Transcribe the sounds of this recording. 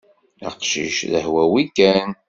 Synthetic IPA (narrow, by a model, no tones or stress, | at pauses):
æ̰qʃḭʃðə̰hwæwikːæn